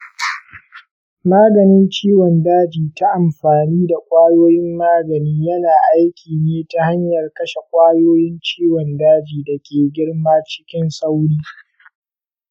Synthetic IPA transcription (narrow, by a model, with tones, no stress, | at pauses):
maː˦ɡɐ˨nɪ˦nt͡ʃiː˦wɔ˨ndaː˦d͡ʒiː˨ta˦ʔa˨mɸaː˨niː˦da˨kʷʼaː˦joː˦jɪ˦mːaː˦ɡɐ˨niː˦jɐ˦naː˨ʔa˦jkʲʰiː˨neː˦ta˦ha˦ɲjɐ˨rkɐ˦ʃe˨kʷʼaː˦joː˦jɪ˦nt͡ʃiː˦wɔ˨ndaː˦d͡ʒiː˨dɐ˨kʲeː˨ɡʲɪ˦ɽmaː˦t͡ʃɪ̥˦kʲɪ˦nsa˦wɽiː˦